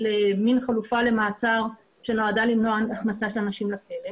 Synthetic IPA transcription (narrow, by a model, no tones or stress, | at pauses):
leminχalufale̞maːt͡saʁ | ʃe̞no̞adalimnoanaχnasaʃelanaʃimlakele